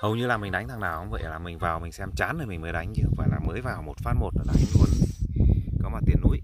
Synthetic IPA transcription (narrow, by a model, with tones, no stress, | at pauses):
hə˨˩wɲɨ˧laː˨˩mï˨˩ŋ̟ɗa˨˦jŋ̟t̪ʰa˨˩ŋnaː˨˩whə˨˦ŋ͡mvə̰˧˨jlaː˨˩mï˨˩ŋ̟vaː˨˩wmï˨˩ŋ̟sɛ˧mt͡ɕaː˨˦nɗəː˨˩mï˨˩ŋ̟məː˨˦jɗa˨˦jŋ̟t͡ɕɨ˧˦va̰ː˨˩laː˨˩mːəː˨˦jvaː˨˩wmo˨˩t̚faː˧nmo˨˩t̚ʔəː˧˩ɗaː˧˩i˧ŋlu˧ən˨kɔ˨˦maː˨˩t̪i˨˩ənːṵ˨˧˥j